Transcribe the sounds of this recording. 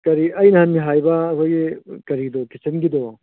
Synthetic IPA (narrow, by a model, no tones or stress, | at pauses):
kɐɾiɐjnɐhɐnmiɦajbɐːkʰojɡikɐɾidɔkisɐnɡidɔ